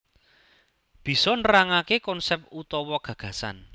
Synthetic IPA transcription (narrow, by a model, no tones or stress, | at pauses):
b̥i̤sɔnəraŋakekɔnsɛp̚t̪ut̪ɔwɔɡ̥ä̤ɡ̥ä̤sa̰n